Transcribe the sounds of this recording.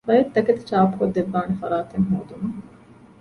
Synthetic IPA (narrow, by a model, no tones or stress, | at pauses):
ʋɐjɐt̪ːɐkɐt̪i̥t͡ʃaːpu̥kod̪ːeʋːaːnefɐ̰ɾaːt̪eŋɦoːd̪umɐ